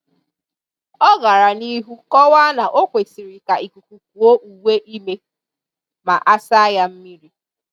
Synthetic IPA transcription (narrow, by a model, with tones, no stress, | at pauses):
ɔ˦ɡa˨ɾa˨ni˦ɦu˦kɔ˦wa˦na˨ʔo˦kʷe˨si˨ɾi˨ka˨i˨ku˨kʷu˨k̚u˨o˦ʔu˨we˦ʔi˦me˦ | ma̰˨ʔa˦sa˦a˦ja˦m̩˦mi˦ɾi˦